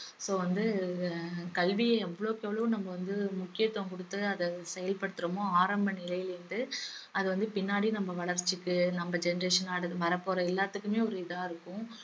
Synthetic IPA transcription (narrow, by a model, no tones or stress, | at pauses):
soːʋɐnd̪ɯ | kɐlʋɪjɐɛʋːɐɭoːkeːʋɭɐʋʊ̃nɐmbɐʋɐnd̪ɯmʊkːɪjɐt̪ːoːŋkɔɽɯt̪ːɯɐðɛsɛjɐlpɐɽɯt̪ːɯɾɐmõaːɾɐmbɐnɪlɐjɪlɪɾɯnd̪ɯɐðɯʋɐnd̪ɯpɪnːaːɽinɐmbɐʋɐɭɐɾt͡ʃːɪkːɯnɐmbɐd͡ʒɛnɐɾeːʂɐnaːɽɐʋɐɾɐpːoːɾɐɪlːaːt̪ːɯkːɯmeːɔɾɯɪðaːɪɾɯkːʊ̃